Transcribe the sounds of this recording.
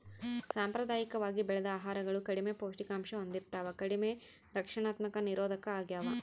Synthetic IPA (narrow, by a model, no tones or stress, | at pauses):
saːmpɾɐd̪aːjikɐʋaːɡibɛɭɛd̪ɐaːɦaːɾɐɡɐɭukɐɽimepoːʂʈikaːmʂɐond̪iɾt̪aːʋɐkɐɽime | ɾɐkʂɐɳaːt̪mɐkɐniɾoːd̪ʱɐkɐaːɡjaːʋɐ